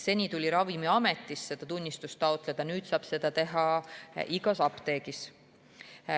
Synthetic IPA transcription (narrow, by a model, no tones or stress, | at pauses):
se̞nʲit̪ulʲiɾɑvimiɑme̞t̪ˑːisːe̞d̪̥ɑt̪unʲːist̪ust̪ːɑot̪ˑled̪̥ɑnyːt̪sɑːb̥se̞d̪̥ɑt̪e̞ɦɑʔiɡɑsɑpt̪e̞ːɡ̥is